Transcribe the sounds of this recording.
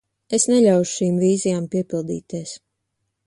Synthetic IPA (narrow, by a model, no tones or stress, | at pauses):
esnɛlʲawʃʃiːmviːzijaːmpiɛpilˠd̪ḭːt̪iɛs